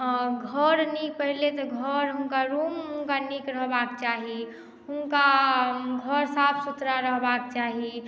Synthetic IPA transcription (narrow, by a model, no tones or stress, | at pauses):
ɡʱəɾnik̚pəɦilet̪ɔɡʱəɾɦʊnkaɾumɦʊnkanikɾəɦbakt͡ʃaɦi | ɦʊnka | ɡʱəɾsapʰsut̪ɾaɾəɦbak̚t͡ʃaɦi